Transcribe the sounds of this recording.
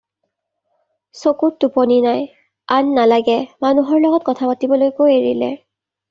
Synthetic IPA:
sokuttupɔninaj | anːalaɡɛmanuɦɔɹlɔɡɔt̚kɔtʰapatibɔlojkojeɹḭlɛ̰

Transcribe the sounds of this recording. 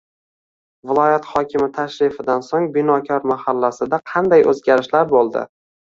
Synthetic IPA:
vɪlˠɒjat̪χɒkʲʰɪmɪt̪ʰaʃɾɪfɪd̪ansoŋbɪnɒkʲʰɒɾmahalːasɪd̪aqʰɑnd̪ajʔɵ̰zɡʲaɾɪʃlaɾbolˠd̪ɪ̰

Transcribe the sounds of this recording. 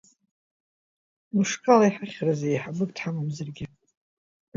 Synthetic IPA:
mɨʂkʼalaiħaχʲrazaejħabɨk̚tʰħamamzarɡʲɪ

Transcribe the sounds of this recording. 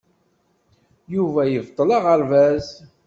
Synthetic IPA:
juvæjəvt̪ˤːəlɑʁəɾvæz

